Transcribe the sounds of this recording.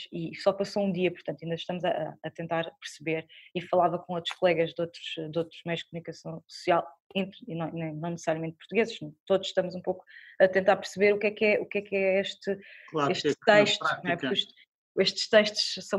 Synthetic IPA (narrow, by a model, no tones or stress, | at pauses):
isɔpɐsoũd̪iɐpuɾt̪ɐ̃nt̪ɐĩnd̪ɐʃt̪ɐmuzɐʔːt̪ẽnt̪aɾpɨɾsɨβeɾifɐlˠavɐkõot̪ɾu̥ʃkulˠɛɣɐʒd̪ot̪ɾuʒ̥d̪ot̪ɾuʒmɐjuʒd̪̥̚kumunikɐsɐ̃w̃su̥sialˠẽnt̪ɾinɐ̃nɐ̃j̃nɐ̃w̃nɨsɨ̥saɾjɐmẽnt̪̚puɾt̪uɣezʃt̪oðuʃʃt̪ɐmuzũpoku̥ɐt̪ẽnt̪aɾpɨɾsɨβeɾukɛkɛʔukɛkɛeʃt̪ɨklˠaɾeʃt̪t̪ɐjʃt̪unwɛpuɾkuʃ | eʃt̪ʃt̪ɐʃt̪u̥ʃsɐ̃w̃